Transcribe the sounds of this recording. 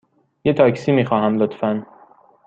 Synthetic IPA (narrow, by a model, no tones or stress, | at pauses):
jet̪ʰɒːcsiːmiːxɒːɦæmlot̪fæn